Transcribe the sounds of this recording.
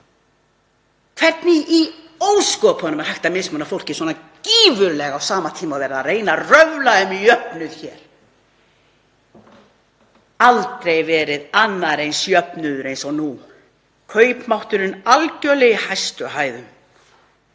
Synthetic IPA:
kʰv̥ɛɾt̪nɪʔi | owskɔpʰɔnʏmaɾhajht̪amɪsmʏnafowl̥cɪ̥swɔːnaciːvʏɾlɛɣawsaːmat̪ʰiːmawvɛːɾaðareːjnarœvlaʏmijœpnʏð̥çɛːɾ̥ | alt̪ɾejvɛːɾɪðanːaɾejnsjœpnʏðʏɾejnsawnu | kʰœːɥpmawht̪ʏɾɪnalcœlɛɪhajst̪ʏɦaːjðʏm

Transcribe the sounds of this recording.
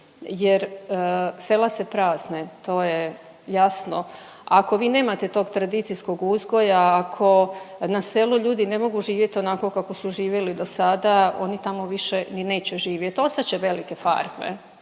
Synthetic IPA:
jeɾ | se̞lase̞pɾaːznet̪o̞ːje | jasno | ako̞ʋiːne̞ːmat̪e̞t̪o̞ːɡt̪ɾad̪it̪sijsko̞ɡuzɡo̞jaːkʰo̞naseluʎuːd̪ine̞mo̞ɡuʒiːʋje̞t̪o̞nako̞kako̞suʒiːʋjelid̪o̞sad̪ao̞̰nit̪amo̞ʋiʃenine̞ːt͡ɕeʒiːʋjet̪o̞st̪at͡ɕeʋe̞like̞fa̰ɾmḛ

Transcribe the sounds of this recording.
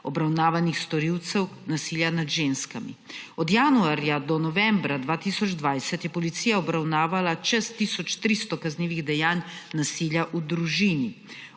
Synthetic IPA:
ɔbɾawnaːʋanixst̪ɔɾiwt̪sɛwnasiːljanad̪ʒenskamḭɔd̪jaːnuaɾjad̪ɔnɔʋɛmbɾad̪ʋaːt̪iːsɔd͡ʒd̪ʋajsɛt̪jɛpɔlit̪siːjaɔbɾawnaːʋalat͡ʃɛst̪isɔt͡ʃt̪ɾiːst̪ɔkazniːʋiɣd̪ɛjaːnːasiːljaʔud̪ɾuʒini

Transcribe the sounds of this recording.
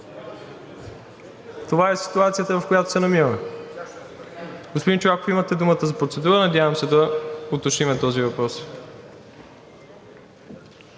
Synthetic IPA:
t̪ovaɛsi̥t̪uat̪sijət̪əvɐfkojat̪o̥sɛnɐmivəmɛ | ɡospod̪int͡ʃovakoimɐt̪ɛd̪umət̪əzɐpɾot̪sɛd̪uɾənɐdʲjavɐmsɛd̪ɐot̪oʃnimɛt̪ɔzivɐpɾɔs

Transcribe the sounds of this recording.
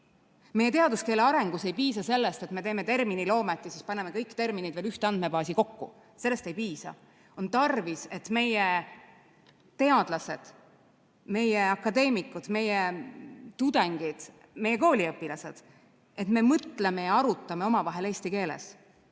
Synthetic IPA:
me̞je̞t̪eɑd̪uske̞ːleɑɾe̞ŋɡ̥use̞jpiːsɑse̞lːest̪e̞t̪me̞t̪e̞ːme̞t̪e̞rminilo̞ːmet̪ːˑisispɑneme̞kɤjkːt̪e̞rminid̪ve̞ːlyht̪eɑnd̪̚me̞bɑːsiko̞kːṵ | se̞lːe̞st̪e̞jpiːsɑ̰ | o̞nt̪ɑrvise̞t̪me̞je | t̪e̞ɑd̪̥lɑse̞d̪̥ | me̞jeɑkːˑɑd̪e̞ːmikːˑud̪̥me̞jet̪ud̪̥eŋɡ̥id̪̥ | me̞jːe̞ko̞ːlʲiɤpːˑilɑse̞d̪̥ | e̞t̪me̞mɤt̪le̞me̞jɑɑɾut̪ˑːɑme̞o̞mɑvɑɦe̞le̞ːst̪ike̞ːlḛs

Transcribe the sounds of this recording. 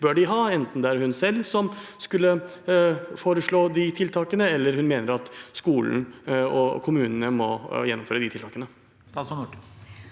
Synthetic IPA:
bøːɖɪɦɑːɛnt̪n̩d̪ɛæɾhʉnsɛlːsɔmskʉlːə | foːɾəʂɭoːd̪ɪt̪ʰɪlt̪ʰɑːkənəɛlːəɾhʉnmeːnəɾɑt̪skuːln̩ɔ̰kʰʊmʉːnənəmɔjɛnːʊmføːɾəd̪ɪt̪ʰɪlt̪ʰɑːkənə | ɑs

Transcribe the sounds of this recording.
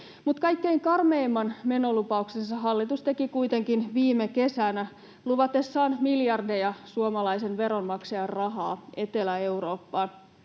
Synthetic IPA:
mut̪kɑjkːe̞iŋkɑrmeimːɑnme̞no̞lupɑuksensɑɦɑlːit̪ust̪e̞kikuijt̪e̞ŋkinʋiːmeke̞sænæ | luʋɑt̪esːɑːnmiljɑrdejɑsuomɑlɑjsenʋe̞ɾo̞nmɑksejɑrrɑɦɑːe̞t̪elæe̞uɾoːpːɑːn

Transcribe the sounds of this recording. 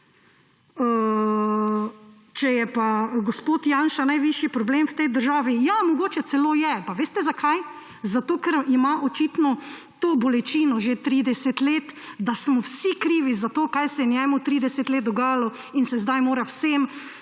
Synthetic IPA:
ə | t͡ʃɛjɛpaɡospoːt̪janʃanajʋiʃjipɾɔblemwt̪ɛjd̪əɾʒaːʋijamɔɡoːt͡ʃɛsɛloːjɛpaʋeːst̪ɛzakʰaj | zat̪oːkɛɾimaʔot͡ʃit̪nɔ | t̪oːbɔlɛt͡ʃiːnɔʒet̪ɾiːd̪ɛsɛt̪leːt̪d̪asmɔwsikɾiːʋizat̪oːkajsɛjɛnjɛːmut̪ɾiːd̪ɛsɛt̪leːt̪̚d̪ɔɡaːjalɔ | insɛzd̪ajmoːɾawsem

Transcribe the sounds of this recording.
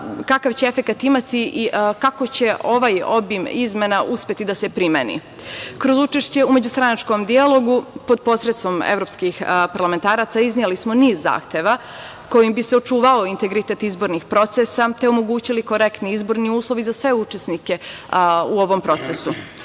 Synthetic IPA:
kakaʋt͡ɕee̞fe̞kat̪imat̪iʔikakot͡ɕe̞ʔo̞ʋajo̞̰bimizme̞naʔuspʲje̞t̪id̪ase̞pɾimenḭ | kɾo̞zut͡ʃeʃt͡ɕe̞ume̞d͡ʑust̪ɾanat͡ʃko̞md̪ialˠo̞ɡupo̞d̪̚po̞sɾet̪st̪o̞mḛvɾo̞pskixpaɾlame̞nt̪aːɾat̪saiznielismo̞niːzːa̰ːxt̪e̞ʋa | ko̞jimbiseo̞t͡ʃuːʋaoint̪e̞ɡɾit̪e̞t̪izbo̞ɾnixpɾo̞t̪sesat̪e̞omo̞ɡuːt͡ɕiliko̞ɾe̞kt̪niizbo̞ɾniuːslˠo̞ʋizasʋe̞ut͡ʃe̞snike̞ | uo̞ʋo̞mpɾo̞t̪sesu

